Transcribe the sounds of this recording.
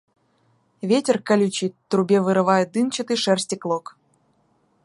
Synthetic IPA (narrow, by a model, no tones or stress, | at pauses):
vʲetʲerkalʲut͡ɕit̪ːrubʲevɨɾɨvɑjed̪ɨnt͡ɕə̆t̪ɨʂɛrsʲtʲiklˠok